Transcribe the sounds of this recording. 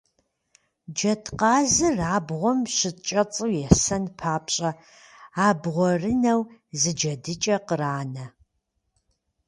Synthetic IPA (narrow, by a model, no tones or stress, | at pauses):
d͡ʒɐtʰqɑːzɨraːbʁʷɔmɕɪt͡ʃʼɐt͡sʼɨwjɛsɐnpʰaːpɕʼɐ | aːbʁʷɔrɨnɐwzɨd͡ʒɐdɨt͡ʃʼɐqəraːnɐ